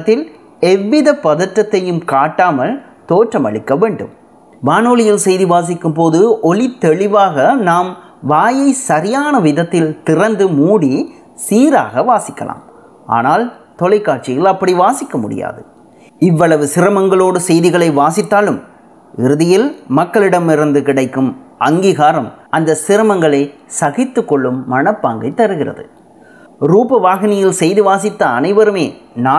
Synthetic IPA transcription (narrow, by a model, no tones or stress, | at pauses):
t̪ːɪl | ɛʋːɪðɐpːɐðɐʈɾɐt̪ːɐjɯmkaːʈːaːmɐl | t̪oːʈrɐmɐ̰ɭɪkːɐʋeːɳɖɯ̰m | ʋaːnoːlɪjɪlsɛjðiʋaːs̬ɪkːɯmpoːðɯʔɔlɪt̪ːɛɭɪʋaːɣɐnaːm | ʋaːjɐɪsɐɾɪjaːnɐʋɪðɐt̪ːɪlt̪ɪrɐnd̪ɯmuːɽi | siːɾa̰ːɣɐʋaːsɪkːɐ̰la̰ːm | a̰ːnaːl | t̪ɔlɐɪkːaːʈ̚t͡ʃɪjɐlɐpːɐɽiʋaːsɪkːɐmʊɽɪ̰ja̰ːðɯ | ɪʋːɐɭɐʋɯsɪɾɐmɐŋɡɐɭoːɽɯsɛjðɪɣɐɭɐɪʋaːsɪt̪ːaːlɯm | ɪɾɯðɪjɪlmɐkːɐɭɪɽɐmɪɾɯnd̪ɯkɪɽɐɪkːɯmʔɐŋɡiːɣaːɾɐmɐnd̪ɐsɪɾɐmɐŋɡɐɭɐɪ | sɐɣɪt̪ːɯkːɔɭːɯmːɐɳɐpːaːŋɡɐɪt̪ːɐɾɯɣɪrɐ̰ðɯ | ɾuːpɐʋaːɣɪnɪjɪlsɛjðɯʋaːsɪt̪ːɐːnɐɪʋɐɾɯmeːnaː